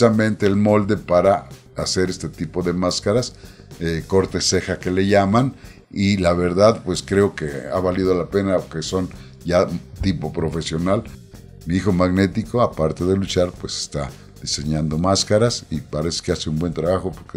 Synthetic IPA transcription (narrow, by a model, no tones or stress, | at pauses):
samẽnt̪eːlmo̞ld̪e̞paɾa | ase̞ɾest̪et̪ipo̞ðe̞maskaɾas | eko̞ɾt̪e̞sexakele̞ʝaman | ilaβ̞e̞ɾðaðpwe̞skɾeokeaβalið̞olapenakeso̞n | ʝat̪ipo̞pɾo̞fe̞sjo̞nal | miixo̞maɣne̞t̪ikoapaɾt̪eðelut͡ʃaɾpwese̥st̪a | ð̥ise̞ɲand̪omaskaɾasipaɾese̥keaseumbwe̞nt̪ɾaβaxopoɾke